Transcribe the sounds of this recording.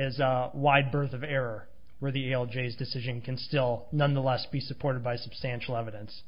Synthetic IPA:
ɪzəwaɪd̚bɜ˞θʌvɛɹə˞ | wə˞ðieɪɛlˠd͡ʒeɪzdɨsɪʒɨ̃nkʰɨ̃nstɪlˠnʌ̃nðəlɛsb̥isɨpʰɔɹɾɨd̚baɪsəb̥stæ̃nʃl̩ˠɛvɨɾɨ̃ns

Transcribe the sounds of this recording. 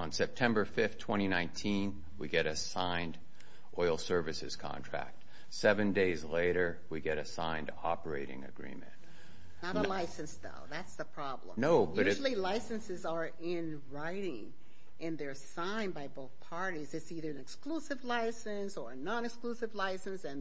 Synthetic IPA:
ə̃nsɛp̚tʰɛ̃mbə˞fɪftʰw̥ɛ̃ɾ̃inãɪ̃ntʰĩn | wḭɡɛɾɨsãɪ̃nd | ʔɔɪl̩ˠsɜ˞vɨsɨ̰z̥kʰɑ̰̃ntʰɹ̥æ̰k̚t | sɛvɨ̃ndeɪzleɪɾə˞ | wiɡɛɾɨsã̰ɪ̃ndɑpə˞eɪɾɪ̰̃ŋɨ̰ɡɹḭ̃mɨ̰̃nt | nəɾəlaɪsɨ̃nsðo̰ʊðætsðəpʰɹ̥ɑblə̰̃noʊbjʌʉɾʒl̩ˠilaɪsɨ̃nsɨzə˞ | ɪ̃n | ɹaɪɾɪ̃ŋ | ʔɨ̃nðə˞sãɪ̃nbaɪboʊθpʰɑɹɾizɨtsiðə˞ɨ̃nɨksklusɨvlaɪsɨ̃nsə˞ɨnɑ̃nɨksklusɨvlaɪsɨ̃nsɨ̃n

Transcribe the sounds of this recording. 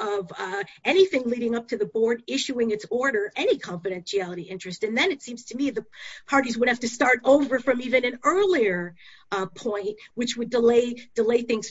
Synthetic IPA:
ʌvʌɛñiθɪ̃ŋliɾɪ̃ŋʌp̚tʰɨðɨbɔɹɾɪʃʉɪ̃ŋɨtsɔɹɾə˞ʔɛnikʰɑ̃ɱfɨɾɛ̃nʃiælˠəɾiʔɪ̃nt͡ʃɹ̥ɨstɨ̃nðɨ̃nɨtsĩmz̥tʰɨmiɨðəpʰɑɹɾizwəɾ̚hæftɨstɑɹɾoʊvə˞fɹʌ̃mivɨ̃nɨ̃nɜ˞lˠiə˞ | pʰɔ̃ɪ̃nʔ̚wɨt͡ʃwɨdəleɪd̥əleɪθɪ̃ŋz̥

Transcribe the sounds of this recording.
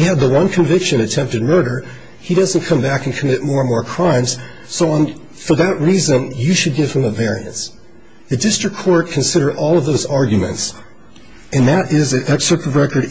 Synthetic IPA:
iɨd̪̚ðəwʌ̃nkʰɨ̃ɱvɪkʃɨ̃ñɨtʰɛ̃mp̚tɨd̚mɜ˞ɾə˞ | iɾʌz̃n̩kʰʌ̃mbækɨ̃n̩kʰəmɪt̚mɔɹə̃nmɔɹkʰɹ̥ãɪ̃mz̥ | soʊə̃n | fə˞ðɨʔ̚ɹizɨ̃njɨʃɨd̚ɡɪv̥ɨ̃məvɛɹiɨ̰̃ns | ðɨdɪstɹ̥ɨkʰːɔɹt̚kʰɨ̃n̩sɪɾə˞ɾʔɔlˠʌvðoʊzɑɹɡjɨmɨ̰̃nts | ɨ̃nðɨɾɪzɨɛkstɹ̥ɨk̚tʌvɹɛkə˞ɾ

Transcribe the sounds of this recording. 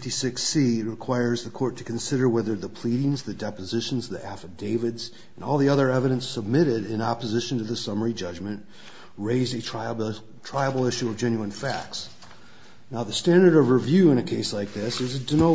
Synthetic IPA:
tisɪksit̚ɹɨkʰw̥aɪə˞zðɨkʰɔɹtʰɨ̥kʰɨ̃n̩sɪɾə˞wɛðə˞ðəpʰl̥iɾɪ̃ŋzðɨdɛpɨzɪʃn̩zðiʔæfɨvdeɪvɨdz | ɨ̃nɔlˠðiʌðə˞ɛvɨɾɨ̃nsəb̚mɪɾɪɾɪ̃nɑpəzɪʃn̩tʰɨðɨsʌmə˞id͡ʒʌd͡ʒmɨ̃nʔ | ɹeɪzdɨ | tʰɹ̥aɪəbl̩ˠɪʃʉʌvd͡ʒɛ̃njʉɨ̃nfæ̰k̚ts | naʊðɨstæ̃ndə˞ɾʌvɹɨvjʉɨ̃ñɨkʰeɪslaɪk̚ðɪsɨzɨdɨnoʊ

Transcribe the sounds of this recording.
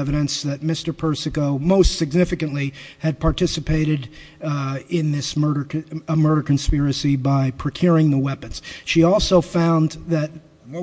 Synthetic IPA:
ɛvɨɾɨ̃nsðɨt̚mɪstə˞pʰɜ˞sɨkoʊmoʊstsɨɡnɪfɨkɨ̃nʔliɨd̚pʰɑɹtʰɪsɨpʰeɪɾɨɾ | ɪ̃nðɪsmɜ˞ɾə˞mɜ˞ɾə˞kʰɨ̃nspɪɹɨsibaɪpʰɹ̥ɨkʰj̥ʊɹɪ̃ŋðəwɛpɨ̃nz̥ʃiɔlˠsoʊfãʊ̃nðɨt̚

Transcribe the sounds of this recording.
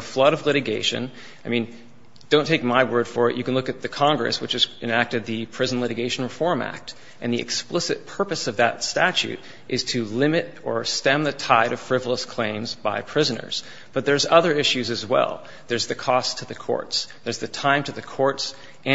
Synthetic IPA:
əflʌɾʌvlɪɾɨɡeɪʃɨ̰̃n | aɪmĩn | d̥õʊ̃ntʰeɪk̚maɪwɜ˞d̥fə˞ɨ̰ʔjɨkɨ̃nlʊkɨt̪̚ðɨkʰɑ̃ŋɡɹɨ̰swɨt͡ʃɨz̥ɨ̃næk̚tɨd̪̚ðɨpʰɹ̥ɪzn̩lɪɾɨɡeɪʃn̩ɹɨfɔɹmæ̰k̚t | ʔɨ̃nðiɨ̰ksplɪsɨt̚pʰɜ˞pɨsʌvðɨ̰tstæt͡ʃʉ̰ɾ | ʔɨz̥tʰɨlɪ̃mɨɾə˞stɛ̃mðɨtʰaɪɾʌv̥fɹɪvl̩ˠəskʰl̥ẽɪ̃mzba̰ɪpʰɹ̥ɪzɨnə̰˞z̥ | b̥ʌt̪̚ðə˞zʌðə˞ɪʃʉzɨzwɛ̰lˠ | ðə˞zðɨkʰɔstʰɨðɨkʰɔ̰ɹtsðə˞zðɨtʰãɪ̃mtʰɨðɨkʰɔɹts | ʔɨ̃

